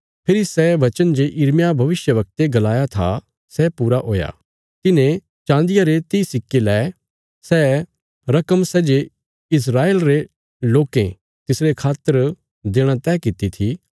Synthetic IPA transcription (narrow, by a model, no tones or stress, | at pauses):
pʰɪɾisɛːʋɐt͡ʃənd͡ʒeʔɪɾmjabʱɐʋɪʃjəʋɐk̚t̪eɡɐlaːjat̪ʰa̰ | sɛpuːɾaɦoːja̰ | t̪ɪnẽ | t͡ʃãːnd̪ɪjaɾet̪isɪkːelɛː | sɛː | ɾɐkəmsɛːd͡ʒe | ɪs̬ɾaːeːlɾe | loːkḛ̃ | t̪ɪsɾekʰaːt̪ːəɾ | d̪eːɽ̃at̪ɛːkɪt̪it̪ʰi